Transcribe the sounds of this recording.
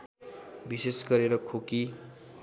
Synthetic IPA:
bisesɡʌɾeɾʌkʰoki

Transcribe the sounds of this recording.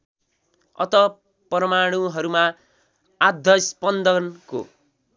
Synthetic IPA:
ʌ̰t̪ʌ | prʌmaɽ̃uɦʌɾuma | ad̪ʱːʌspʌnd̪ʌnko̰

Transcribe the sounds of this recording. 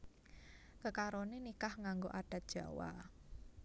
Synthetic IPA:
kəkaɾonenikahŋaŋɡoʔaɖ̥a̤t̪̚dʒ̥ä̤wa̰

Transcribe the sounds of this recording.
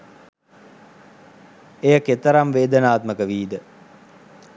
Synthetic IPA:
ejəket̪əɾamʋeːd̪ənaːt̪məkəʋiːd̪ə

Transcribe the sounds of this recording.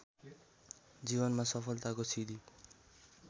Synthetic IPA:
d͡zibʌnmasʌpʰʌlt̪akosid̪i

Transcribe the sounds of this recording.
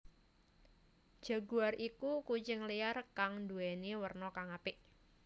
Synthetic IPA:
d̥d͡ʒ̥a̤ɡuarʔikukut͡ʃɪŋlijarkaŋnduɛnewərnɔkaŋapɪʔ

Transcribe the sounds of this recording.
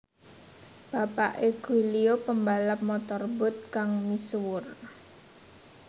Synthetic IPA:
b̥a̤paʔeɡ̥ṳliopəmbalap̚mɔt̪ɔrbʊ̤t̪̚kaŋmiswʊr

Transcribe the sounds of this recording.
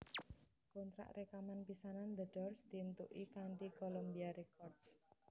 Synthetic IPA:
kont̪ɾa̰ʔrekamanpisanand̪əɖ̥ɔrsd̪̥int̪uʔikaɳʈikolombiaɾekɔrd̥s

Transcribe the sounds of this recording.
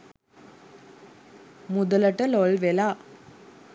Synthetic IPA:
mʊd̪ɐlɐʈːɐlɔlʋelaː

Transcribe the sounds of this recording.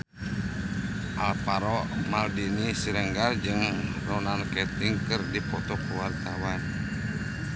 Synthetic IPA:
ʔalpaɾɔmaldinisiɾəŋɡard͡ʒɨŋrɔnankɛt̪iŋkɨrdipɔt̪ɔkəwart̪awan

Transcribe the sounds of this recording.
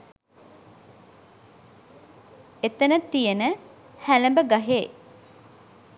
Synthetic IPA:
et̪ənət̪ːijənə | hæləmbəɡaɦeː

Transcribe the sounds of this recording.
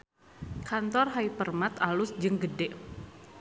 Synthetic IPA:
kant̪ɔrɦaipərmat̪alʊsd͡ʒɨŋɡədɛ

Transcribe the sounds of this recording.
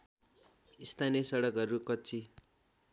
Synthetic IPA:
ist̪ʰanijʌsʌɽʌkɦʌɾukʌt͡sʰi

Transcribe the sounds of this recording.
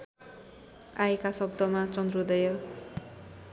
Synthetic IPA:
ajkasʌbd̪ʱʌmat͡sʌnd̪rud̪ʌjo

